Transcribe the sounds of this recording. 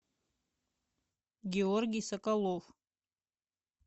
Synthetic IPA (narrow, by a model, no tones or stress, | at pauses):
ɡʲeorɡʲijsakʼalov